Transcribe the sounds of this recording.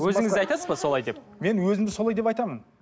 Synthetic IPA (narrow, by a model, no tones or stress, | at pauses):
wɵzɪŋɪzɑjt̪ɑsəzbɑso̞lˠɑjd̪e̞p̚me̞nwɵzɪmd̪ɪzso̞lˠɑjd̪e̞pɑjt̪ɑmən